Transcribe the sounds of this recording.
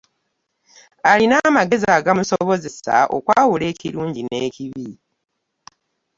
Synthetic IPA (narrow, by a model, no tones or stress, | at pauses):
alinamaɡe̞zaːɡamusoβo̞ze̞sa̰ʔo̰kwaːwule̞ːciɾuːɲɟine̞ːciβi